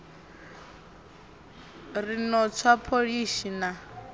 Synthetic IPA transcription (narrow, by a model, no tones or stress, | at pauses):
rinɔt͡sʰwapʰoɺiʃina